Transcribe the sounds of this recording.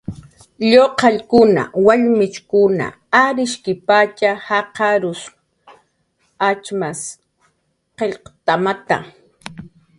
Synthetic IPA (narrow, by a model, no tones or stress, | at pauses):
ʎoqɑʎkʊna̰waʎmɪt͡ʃkʊna̰ | aɾɪʃkɪpat͡ʃahɑqɑɾʊs | at͡ʃmas | qeʎqt̪amat̪a̰